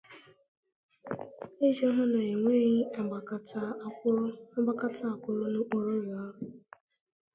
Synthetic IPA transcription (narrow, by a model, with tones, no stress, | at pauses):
e˦ʒo˦ɦʊ˦na˨e˨ŋʷe˦ɣi˦a˨kta˦ | a˦ɡ͡ba˦ka˦tʰa˦a˨kʷʊ˦ɾʊ˦nʊ˦k͡po˦ɾo˦wʊ˨a˦ɦʊ˨